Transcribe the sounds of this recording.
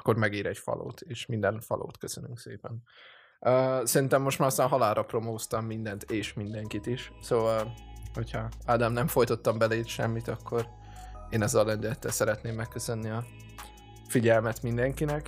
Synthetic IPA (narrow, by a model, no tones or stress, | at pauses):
kːo̞rmɛɡiːɾɛɟfɒ̰lo̰ːt̪ʰeːʃmind̪ɛnfɒ̰lʔo̰ːt̪køsønyŋksḛːpɛn | øːsɛɾint̪ɛmːo̞ʃt̪maːɾɒst̪aːnɦɒlaːlɾɒpro̞moːst̪ɒmːind̪ɛnt̪eːʃmind̪ɛŋkit̪iʃsoːvɒlho̞cʰhɒad̪amnɛɱfo̞jt̪o̞t̪ːɒmbɛleʃɛ̰mːit̪ɒkːo̞ɾ | eːnɛzːɛlːɛnd̪ylɛt̪ːɛlsɛɾɛt̪neːmːɛkːøsø̞nːiɒ | fiɟɛlmɛt̪mind̪ɛŋkinɛk